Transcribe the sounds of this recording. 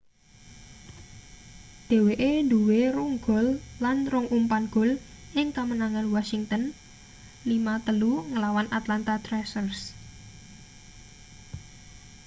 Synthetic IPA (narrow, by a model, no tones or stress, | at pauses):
d̪̥e̤weʔend̪uweɾuŋɡ̥ɔ̤lːanrʊŋʔumpanɡ̥ɔ̤l | ʔɪŋkamənaŋanwasiŋt̪ən | limat̪əluŋəlawanʔat̪lant̪at̪ɾɛsərs